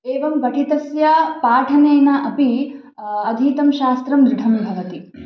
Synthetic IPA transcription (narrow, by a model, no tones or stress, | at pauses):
eːʋɐmɡɐʈʰit̪ɐsjɐpaːʈʰɐneːnɐʔɐpi | ɐd̪ʱiːt̪ɐmʃaːst̪ɾɐmd̪ɾɪʈʰɐmbʱɐʋɐt̪i